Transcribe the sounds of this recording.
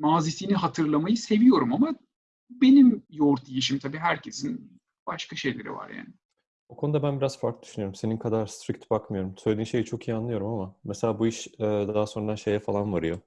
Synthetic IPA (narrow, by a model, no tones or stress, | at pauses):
maːziːsiːniɦat̪ʰɯɾlˠamajɯse̞vijo̞ɾumama | be̞nimjoɾt̪ʰijiʃ̬imt̪ʰabiːɦæɾcʰe̞sin | b̥aʃkaʃe̞jlʲe̞ɾḭva̰ɾja̰ːnɪ | okʰo̞nud̪abænbiɾaz̥faɾkld̪yʃynyjoɾumse̞ninkʰad̪aɾst̪ʰɾic̚t̪bakmɯjo̞ɾumsøjlʲed̪iːnʃe̞jit͡ʃʰo̞kʰijːanlˠɯjo̞ɾumamameselʲaːbuiʃɛd̪aɦaso̞nɾaʃe̞jɛfalˠanvaɾɯjo̞